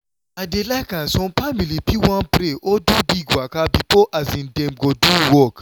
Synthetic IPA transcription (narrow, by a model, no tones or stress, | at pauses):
adelaɪkãnsɔ̃mfamilipiwãnpɾeʔodubiɡwakabipoʔazĩndɛ̃mɡoduwɔk